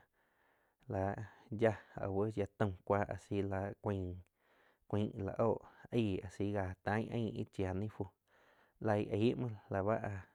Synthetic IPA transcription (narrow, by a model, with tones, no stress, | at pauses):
la˨ja˧o̰˨wə˦ja˧t̪ə̃˧kʷaː˦ʔa̰˧si˧˦la˧kʷĩ˧˨ | kʷĩː˧˦ʔla̰˨ʔoː˦˨ʔiː˦˧˨a˨si˧ɡa˧˨t̪ã˦ɲʔə̰̃˧˦ḭ˦t͡ʃja˨nĩ˦fu˧ | la˧jʔi˨˦ʔmã˧la˨βa˦ʔa˧